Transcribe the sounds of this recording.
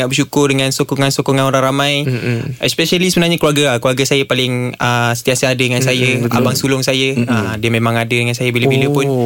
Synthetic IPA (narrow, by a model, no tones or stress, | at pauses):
ŋaʔbərʃukʊrdəŋansokɔŋansokɔŋanoɾaŋramãjʔɛspɛʃalisəbənarɲakluaɡəakluaɡasajəpalɪŋəsə̥t̪iasəadədəŋansajəa̰baŋsulʊŋsajəədəmẽmãŋadədəŋansajəbiləbiləpʊn